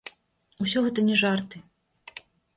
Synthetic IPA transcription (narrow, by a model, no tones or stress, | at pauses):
usʲɔɣɛt̪ɐnʲɛʐart̪ɨ